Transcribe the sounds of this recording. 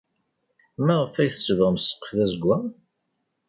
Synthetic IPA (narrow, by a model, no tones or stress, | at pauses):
mæʁəfæjθsːəvəʁmsə̥qːə̥fðæzəɡʷːæ